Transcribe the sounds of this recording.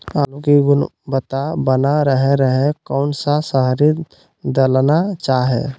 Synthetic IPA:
aːlukiɡʊnbət̪abənaɾəɦeɾəɦekɔːnsasəɦɾi | d̪əlnat͡ʃaːɦḛ

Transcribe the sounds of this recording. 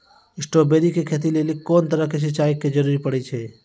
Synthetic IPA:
ɪsʈoːbeːɾikekʰeːt̪̬ilelɪkkːoːnt̪əɾəkes̬ɪt͡ʃaːɪkːed͡ʒəɾuːɾipəɽet͡ʃʰeː

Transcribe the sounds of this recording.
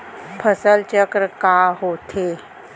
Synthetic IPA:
pʰəsəlt͡ɕəkɾəkaɦot̪ʰe

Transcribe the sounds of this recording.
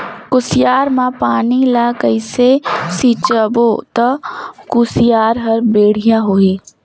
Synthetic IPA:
kʊsɪjaːɾmãpaːnilaːkəisesit͡ʃəboːt̪ɐkʊsɪjaːɾɦɐɾbeːɽ̤ɪjãɦoːiː

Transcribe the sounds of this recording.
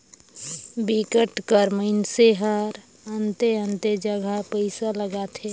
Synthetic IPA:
bikəʈkəɾməɪnseɦəɾ | ənt̪eənt̪ed͡ʒəɡʱapəɪsaləɡat̪ʰe

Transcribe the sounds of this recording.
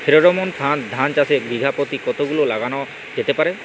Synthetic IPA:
pʰeɾoɾɔmont̪ʰand̪ʱant͡ʃasebiɡʱapot̪ikɔt̪oɡulolaɡanɔ | d͡ʒet̪epaɾe

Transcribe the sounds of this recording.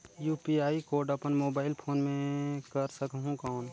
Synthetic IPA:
juːpiaːikoːɾɖəpənmoːbaːɪlpʰoːnmẽkəɾsəkɦũkɔːn

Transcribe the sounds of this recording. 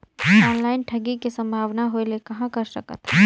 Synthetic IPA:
ɔːnlaːɪnʈʰɐɡikisɐ̃mbʱaːʋnaɦoelekɐɦãkɐɾʃɐkə̰t̪ː

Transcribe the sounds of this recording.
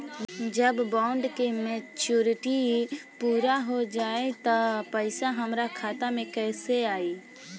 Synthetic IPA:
d͡ʒəbbaːʊɳɖkemeːt͡ʃuːɾɪʈipuːɾaɦod͡ʒaːet̪əpəɪsaɦəmɾakʰaːt̪amẽkɛːseaːi

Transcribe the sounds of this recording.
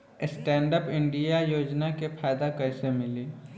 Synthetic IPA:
ɪsʈɛ̃ːɳɖəpɪ̃ɳɖijajoːd͡ʒnakepʰaːjd̪akɐɪsemɪliː

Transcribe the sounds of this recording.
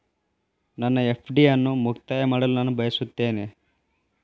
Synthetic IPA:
nɐnːɐe̞pʰɖijɐnːumukt̪aːjɐmaːɽɐlunaːnubʱɐjɐsut̪ːe̞ːne̞

